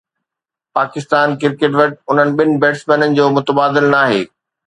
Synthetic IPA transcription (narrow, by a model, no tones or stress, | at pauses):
paːkɪst̪aːnkɪɾkeːʈ̬ʋɐʈ̚ʊn̤ənɪ̆ɓɪnɪ̆bɛːʈsmenənɪ̆d͡ʑoːmʊt̪əbaːd̪ɪlnaːɦḛː